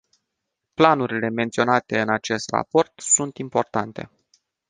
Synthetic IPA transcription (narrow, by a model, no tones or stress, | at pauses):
planuɾile̞me̞nt̪sio̞nat̪e̞ɨnat͡ʃe̞st̪ra̰po̞rt̪sunt̪impo̞rt̪ant̪e̞̰